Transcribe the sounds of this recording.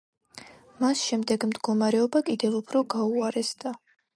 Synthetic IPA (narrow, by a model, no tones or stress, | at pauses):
masʃɛmd̪ɛɡmd̪ɡɔmaɾɛɔbakʼid̪ɛlupʰɾɔɡauaɾɛsd̪a